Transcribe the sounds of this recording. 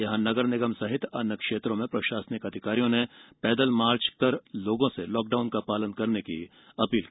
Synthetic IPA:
jɐɦãnɐɡəɾnɪɡəmsɐɦɪt̪ɐnəkʃeːt̪ɾõmẽpɾɐʃaːsnɪkɐd̪ʱɪkaːɾijõnepɛːd̪əlmaːɾt͡ʃkɐɾloːɡõselɔːk̚ɖaːʊnkapaːlənkɐɾnekḭ | ɐpiːlki

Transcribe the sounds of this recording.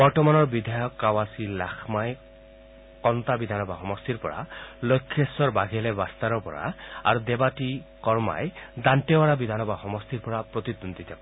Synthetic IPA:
bɔɾtɔmanɔɹbid̪ʱajɔkːawasila̰xʰmaj | kɔnt̪abid̪ʱanɔbaxɔmɔst̪iɾpɔɾa̰lojkʰːesɔɾbaɡʱelebast̪aɾɔpɔ̰ɾa̰a̰ɾud̪ebaʈikɔɹma̰jd̪anʈewaɾabid̪ʱanɔbaxɔmɔst̪iɾpɔɾapɾot̪id̪und̪it̪ʰab

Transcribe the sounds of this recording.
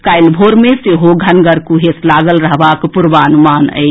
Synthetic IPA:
kaɪlbʱoɾmeseɦoɡʱənɡəɾkuɦeslaɡəlɾəɦbakpuɾʋanumanə̰j

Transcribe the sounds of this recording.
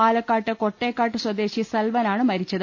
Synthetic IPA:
aːlɐkːaːʈːɨko̞ʈːeːkːaːʈːɨswɐd̪e̞ːɕisɐlʋɐnaːɳɨmɐɾit͡ɕːɐðɨ

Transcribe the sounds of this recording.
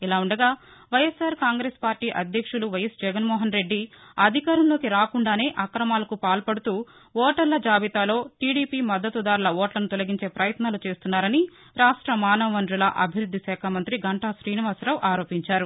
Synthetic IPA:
ilaːuɳɖɐɡaː | ʋɐjɐsaːɾkaːŋɡɾeːspaːɾʈiːʔɐd̪ʱjɐkʂuluʋɐjɐsd͡ʒɛɡɐnmɔːɦɐnɾe̞ɖːiɐd̪ʱikaːɾɐmlo̞ːkiɾaːkuɳɖaːne̞ːʔɐkɾɐmaːlɐkupaːlpɐɽut̪uː | ɔːʈɐɾlɐd͡ʒaːbit̪aːlo̞ːʈiːɽiːpiːmɐd̪ːɐt̪ud̪aːɾlɐʋɔːʈlɐnut̪ɔlɐɡiɲt͡ʃe̞ːpɾɐjɐt̪naːlut͡ʃe̞ːst̪unːaːɾɐni | ɾaːʂʈɾɐmaːnɐʋʋɐnɾulɐ̰ʔɐbʱiɾud̪ʱːiʃɛːkʰamɐnt̪ɾiɡɐɳʈaːʃɾiːniʋaːsɾɐʋʔaːɾo̞ːpiɲt͡ʃaːɾu

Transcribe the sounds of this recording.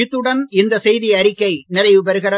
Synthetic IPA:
ɪt̪ːɯɽɐnɪnd̪ɐsɛjðɪjɐɾɪkːɐɪnɪrɐɪʋɯbɐɾɯɣɐɾɐ

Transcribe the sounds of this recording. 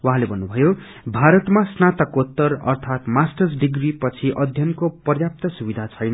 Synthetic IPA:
waɦãlebʱʌnːubʱʌjo | bʱaɾʌt̪masnat̪ʌkot̪ːʌrʌ̰rt̪ʰat̪masʈʌrsɖiɡripʌt͡sʰiʔʌd̪ʱjʌnkopʌrjap̚t̪ʌsubid̪ʱat͡sʰʌjnʌ

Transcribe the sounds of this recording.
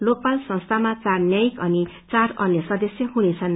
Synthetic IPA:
lok̚palsʌ̃ŋst̪ʰamat͡sarnjʌjikʌni | t͡saɾʌnjʌsʌd̪ʌsjʌɦunet͡sʰʌn

